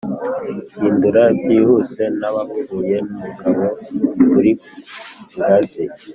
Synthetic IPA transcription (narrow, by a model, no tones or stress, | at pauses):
iːnduɾatihuse̞naβakuɡuːje̞mumuɡaβo̞βuɾi | buɾaze